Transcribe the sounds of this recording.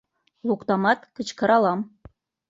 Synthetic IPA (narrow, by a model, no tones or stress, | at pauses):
lˠukt̪ɑmɑt̪kɘ̆t͡ɕkɤ̆ɾɑlˠɑm